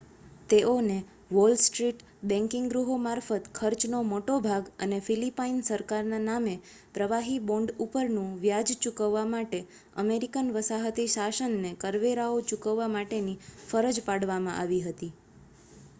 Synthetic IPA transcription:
t̪eone | ʋolsʈɾiʈ | bɛ̃ŋkɪŋɡɡɾuɦomaɾfət̪kʰəɾt͡ʃnomoʈobʱaɡə̰nefilipainsəɾkaɾnaname | pɾəʋaɦibɔ̃ɳɖupəɾnũʋjad͡ʒt͡ʃukəʋːamaʈe | ə̰meɾikənʋəsaɦət̪iʃaʃənːekəɾʋeɾaot͡ʃukəʋːamaʈenifəɾəd͡ʒpaɽʋamãʔa̰ʋiɦət̪i

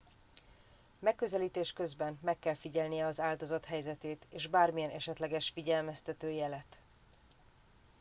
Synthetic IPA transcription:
mɛkːøzɛliːt̪eːʃkø̞zbɛnmɛkːɛlfiɟɛlnijɛɒzaːld̪o̞zɒt̪ɦɛjzɛt̪eːt̪eːʒbaːrmijɛnɛ̰ʃɛt̪lɛɡɛʃfiɟɛlmɛst̪ɛt̪øːjɛlɛt̪

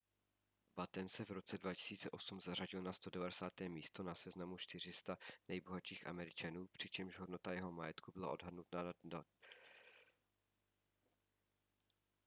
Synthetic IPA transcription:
bat̪ɛnsɛvɾo̞t͡sɛdvacɪ̥siːt͡sɛʔosumzaraɟɪlnast̪o̞dɛvadɛsaːt̪ɛːmiːst̪o̞nasɛznamut͡ʃt̪ɪr̝ɪst̪anɛjbo̞ɦaʃiːxʔa̰mɛɾɪt͡ʃanuːpr̝̥ɪt͡ʃɛmʒɦo̞dno̞t̪ajɛɦo̞majɛt̪kubɪla̰ʔo̞̰dɦadnut̪nada

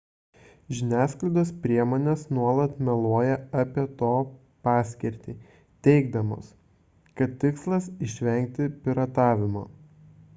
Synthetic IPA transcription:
ʒʲɪnʲæːsklˠɐɪd̪oːspʲɾʲiɛmoːnʲeːsnuɔlˠɐt̪mʲɛlˠoːjɛɐpʲiɛt̪oː | pɑːsʲkʲɛɾʲt̪ʲiː | t̪ʲɛɪɡd̪ɐmo̰ːs | kɐt̪ʲt̪ːʲɪkslˠɐsɪʃʲʋʲɛŋʲk̚t̪ʲɪpʲɪɾɐt̪ɑːʋʲɪmoː

